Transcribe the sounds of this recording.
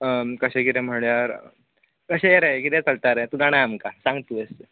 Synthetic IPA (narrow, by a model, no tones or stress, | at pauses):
əkəɕẽkit̪ɛ̃m̤əɭjaɾ | kəɕeeɾekit̪ɛ̃t͡səlt̪aɾẽt̪ud͡zaɽ̃ajamkasãŋɡt̪uest̪